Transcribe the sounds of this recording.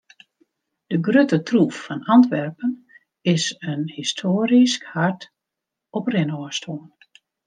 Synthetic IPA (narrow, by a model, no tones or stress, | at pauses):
d̥əɡrøtətrufːɔnɑntʋɛrpən | ɪsənhistʰoːɾiskhart | ɔprɪnɔəstʰoən